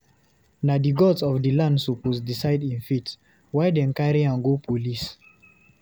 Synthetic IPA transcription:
nadiɡɔsɔfdilãndsupɔsdisaɪdĩnfit | waɪdɛ̃nkaɹiãnɡopʰolis

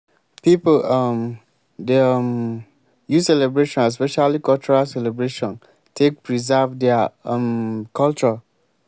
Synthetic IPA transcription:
pipolam | deam | jusɛlɛbɹeʃɔ̃naspɛʃalikʰɔlt͡ʃɔɹalsɛlebɹeʃɔ̃n | tʰek̚pʰɹizɛvdɛamkʰɔlt͡ʃɔ

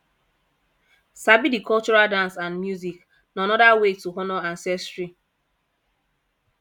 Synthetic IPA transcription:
sabidikʰɔlt͡ʃɔɹaldãnsãnmjuzik | nanɔdawetuɦɔnɔãnsɛstɹi

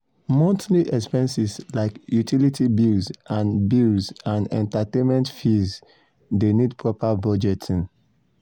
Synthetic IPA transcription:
mɔ̃ntniʔɛkspɛ̃nsislaɪkjutʰilitʰibilzãnbilzãnɛ̰̃ntatẽnmɛ̃ntfiz | denidpʰɹɔpabɔd͡ʒɛtʰĩn

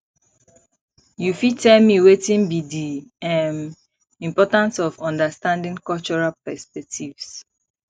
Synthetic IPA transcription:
jufitɛlmiwetĩnbidiãn | ĩmpɔtãnsɔfɔ̃ndəstãndĩŋkɔlt͡ʃɔɹalpɛspɛk̚tʰivs

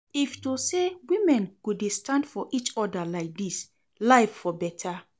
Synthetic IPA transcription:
iftusewĩmɛ̃nkudistãndfɔʔit͡ʃɔdəlaɪk̚dis | laɪffɔbɛtʰə

